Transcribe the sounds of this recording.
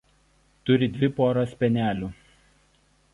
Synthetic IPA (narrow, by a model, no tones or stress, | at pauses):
t̪ʊɾʲɪd̪ʲʋʲɪpoːɾospʲɛnʲæːlʲuː